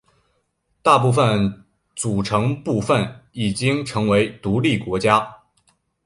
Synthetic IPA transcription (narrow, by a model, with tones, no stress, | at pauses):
t̪a˥˧p̬u˥˧˩fə˨˩n | t͡su˨˩ʈ͡ʂʰɤ˧˥ŋpu˥˧fə˥˩ni˨˩t͡ɕi˥ŋʈ͡ʂʰɤ˧˥ŋwe˧˥ɪt̪u˧˥li˥˩kwɔ˧˥t͡ɕja˥